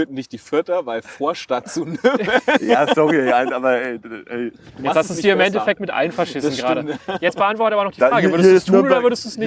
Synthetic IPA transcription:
øtn̩nɪçt̚d̥iːfɪɐtɐvaɪlfoːɐʃtatt͡suneməjasɔʁiɛɪʔaɪnsʔaːbɐɛɪʔɛɪjɛt͡shastdusd̥iːɐɪmɛntɛfɛk̚tmɪtʔa̰lən̩faɐʃɪsn̩ɡʁaːdəjɛt͡stb̥əʔantv̥ɔɐtəaːbɐnɔχd̥iʁaːɡəvʏɐdəstʰːunodɐvʏɐdəsd̥uːsnɪ

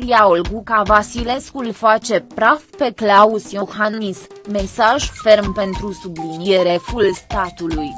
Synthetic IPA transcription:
ɾiaolɡukavasile̞skulfat͡ʃe̞pɾafpe̞klausjoxanis | me̞saʒfe̞rmpe̞nt̪ɾusublinieɾe̞fulst̪at̪uluj

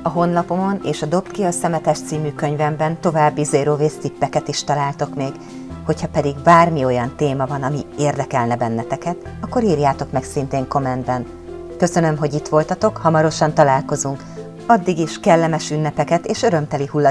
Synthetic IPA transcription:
ɒɦo̞nːɒpo̞mo̞nḛːʃɒd̪o̞pt̪kiɒsɛmɛt̪ɛʃt̪siːmyːkø̞ɲvɛmbɛnt̪o̞vaːbːizeːɾoːveːst̪ipːɛkɛt̪iʃt̪ɒlaːlt̪o̞kmeːɡ | ho̞chɒpɛd̪iɡbaːrmio̞jɒnt̪eːmɒvɒnɒmieːrd̪ɛkɛlnɛbɛnːɛt̪ɛkɛt̪ | ɒkːo̞ɾiːrjaːt̪o̞kmɛksint̪eːŋko̞mɛnd̪bɛn | kø̞sø̞nø̞mɦo̞ɟit̪ʋo̞lt̪ɒt̪o̞khɒmɒɾo̞ʃɒnt̪ɒlaːlko̞zuŋk | ɒd̪ːiɡiʃkɛlːɛmɛʃynːɛpɛkɛt̪eːʃø̞ɾø̞mt̪ɛlihulːɒ

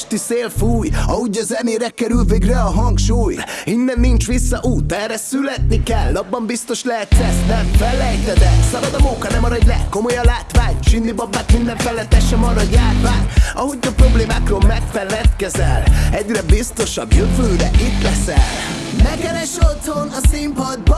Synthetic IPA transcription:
ʃt̪iseːlfuːjɒɦuɟɒzɛneːɾɛkɛɾylveːɡrɛɒɦɒŋkʃuːjinːɛnːint͡ʃʋisːɒʔuːt̪ɛːrːɛsylɛt̪nikɛlːɒbːɒmbist̪o̞ʃlɛɦɛt̪sɛsnɛɱfɛlːɛjt̪ɛd̪ɛsɒbɒd̪ɒmuːkɒnɛmɒɾɒɟlɛ̰kːo̞mo̞jɒlaːt̪ʋaːɲʃinːibɒbːaːt̪mind̪ɛɱfɛlːɛt̪ːɛʃɛmɒːrɾɒɟaːrvaːnɒɦoɟɒpɾo̞bleːmaːkroːlmɛkfɛlːɛt̪kɛzɛ̰lɛɟrɛbist̪o̞ʃɒbjøvøːɾɛʔit̪lɛsɛ̰l | nɛkɛɾɛʃot̪honɒsimpɒd̪b

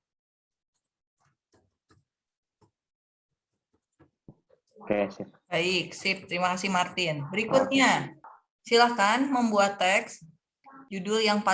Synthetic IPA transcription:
kes̚baɪk̚sɪp̚t̪əɾimakasɪhmart̪ɪnbəɾikut̪̚ɲa | silakanməmbuat̪ːɛks | d͡ʒudʊljaŋpa

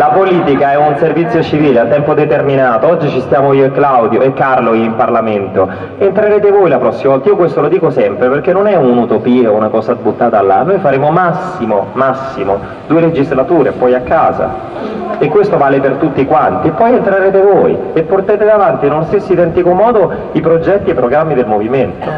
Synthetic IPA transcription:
lapoliːt̪ikaɛunservit̪sjot͡ʃiviːleat̪ːɛmpod̪et̪erminaːt̪oɔd͡ʒːit͡ʃist̪jaːmoiːoekːlawd̪joekːarloiimparlament̪o | ent̪ɾaɾeːt̪evojlapɾɔsːimavɔlt̪aiːokwest̪olod̪iːkosɛmpɾeperk̟enːonɛunut̪opiːounakɔːzazbut̪ːaːt̪aːlːa̰nːojfaɾeːmomasːimo̰masːimo | d̪uːeled͡ʒizlat̪uːɾḛpɔjakːaːza̰ | ekːwest̪ovaːlepert̪ut̪ːikwant̪iepːɔjent̪ɾaɾeːt̪evoːjepːort̪aeːt̪ed̪avant̪inulost̪esːoid̪ɛnt̪ikomɔːd̪o | ipɾod͡ʒɛt̪ːiepːɾoɡɾamːid̪elmoviment̪o

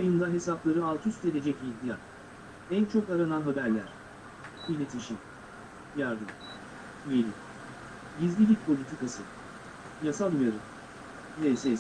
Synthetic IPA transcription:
ajɯnd̪aɦe̞saplˠaɾɯalˠt̪ʰyst̪ʰelʲe̞d͡ʒɛcit̪ʲija̰n | ænt͡ʃʰo̞kaɾananɦabæɾlʲæɾ̥ | bilʲe̞t̪ʰiʃim | jaɾd̪ɯm | yjelʲi | ɟizʲlʲilʲic̚pʰolʲit̪ʰikasɯ | jasalˠujaɾɯ | nejses

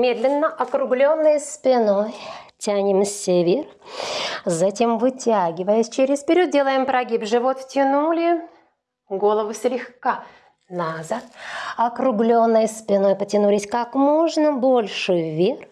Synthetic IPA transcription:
mʲe̞d̪lʲɪnːəʔɐkɾʊɡlʲonːəjəspʲɪno̞jtʲænʲɪmsʲɪvʲer | zɐtʲe̞mvɨtʲaɡʲɪvəjəsʲt͡ɕeɾʲɪspʲɪɾʲo̞t̪̚dʲe̞lˠəjɪmpɾɐɡʲipʐɨvot̪tʲɪnulʲɪ | ɡo̞lˠəvʊsʲlʲɪxka | nazat̪ɐkɾʊɡlʲo̞nːəjəspʲɪno̞jpətʲɪnulʲɪsʲkakmo̞ʐnəbo̞lʲʂɨjvʲer

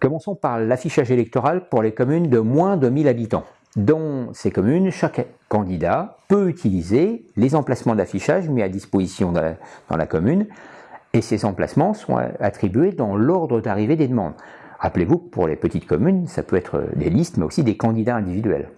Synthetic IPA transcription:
kɔmɑ̃sɔ̃paʁlafiʃaʒelɛk̚t̪ɔʁalpuʁlekɔmynd̪əmwɛ̃d̪əmilabit̪ɑ̃ | d̪ɑ̃sekɔmynʃakː | ɑ̃d̪id̪apøyt̪ʰilizelezɑ̃plasmɑ̃d̪afiʃaʒmɛad̪ispozisjɔ̃d̪̥ɑ̰̃la̰kɔmyn | esezɑ̃pla̰smɑ̃sɔ̰̃at̪χibɥed̪ɑ̃lɔʁd̪ʁəd̪aʁived̪ed̪əmɑ̰̃d̪ | ʁaplevukpṵʁlḛpət̪it̪kɔmynsa̰pøɛt̪χə̰d̪ḛlist̪mɛo̰sid̪ekɑ̃d̪id̪aɛ̃d̪ivid̪ɥɛ̰l

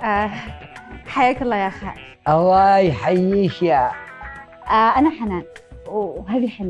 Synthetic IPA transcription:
ʔa | ħajaːkalˤːɑːjaʔxa̰ | ʔawajħajːiʃja | ʔaʔanaħanaːnwɦaːðiħana

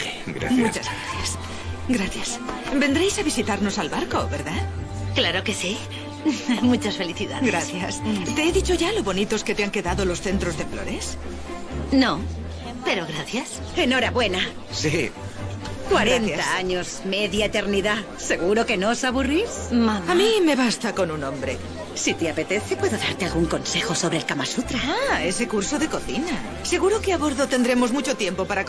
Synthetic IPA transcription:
eɡɾa̰mut͡ʃazɣɾaθjas | ɡɾaθjasbe̞nd̪ɾejsaβisit̪aɾno̞salβaɾko̞βeɾða | klaɾokesi | ajmut͡ʃasfeliθiðaðɡɾaθjast̪e̞eðit͡ʃo̞ʝaloβo̞nit̪o̞sket̪eaŋke̞ðaðolo̞sθe̞nt̪ɾo̞zðe̞flo̞ɾes | no | pe̞ɾoɣɾaθjas | e̞no̞ɾaβwe̞na | si | kwaɾentaaaɲosmeðjaet̪e̞ɾniða | se̞ɣuɾoke̞nosaβurismaðamime̞βast̪ako̞nunõ̞mbɾe̞ | sit̪eape̞t̪e̞θepwe̞ðoðaɾt̪ealɣuŋko̞nse̞xoso̞βɾelkamasut̪ɾaaese̞kuɾsoðe̞ko̞θina | se̞ɣuɾo̞keaβo̞ɾðo̞t̪e̞nd̪ɾe̞mo̞zmut͡ʃo̞t̪je̞mpo̞paɾa

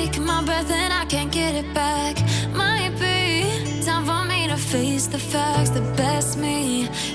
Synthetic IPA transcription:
kmaɪbɹɜ˞ðəɨ̃naɪkɨ̃nɡɛɾɨt̚b̥ækmaɪbi | sãɪ̃mvõʊ̃nmeɾɨfeɪsðɨfæksðɨb̥ɛsmi

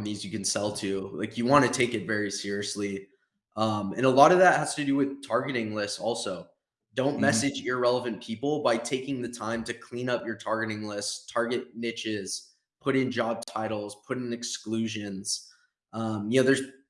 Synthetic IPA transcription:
nĩzjɨkɨ̃n̩sɛlˠtʰʉla̰ɪkjɨwɑ̃ñɨtʰeɪkɨtvɛɹisɪɹiɨsli | ʔʌ̃mɨ̰̃nəlɔɾʌvðət̚hæz̥tɨdɨwɪð̥tʰɑɹɡɨɾɪ̃ŋlɪstsɔlˠsoʊ | d̥õʊ̃nmɛsɨd͡ʒjə˞ɹɛlˠəvɨ̃npʰipl̩ˠbaɪtʰeɪkɪ̃ŋðɨtʰãɪ̃mtɨkʰl̥ĩnʌpjə˞tʰɑɹɡɨɾɪ̃ŋlɪststʰɑɹɡɨt̚nɪt͡ʃɪz̥ | pʰʊɾɪ̃nd͡ʒɑb̚tʰaɪɾl̩ˠz̥pʰʊɾɪ̃nɨksklʉʒɨ̃nz̥ | ʔʌ̃mjɨnoʊðə˞z̥

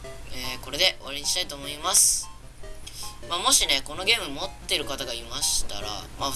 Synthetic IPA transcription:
eːko̞ɾe̞d̪e̞ʔo̞βaɾe̞ɲʲiɕi̥t̪ait̪o̞ːmo̞imasɨ̥ | maːmo̞ɕine̞ko̞no̞ɡʲe̞ːmɯ̟mo̞t̪ːe̞ɾɯ̟kat̪aɡaimaɕi̥t̪a̰ɾa̰ma

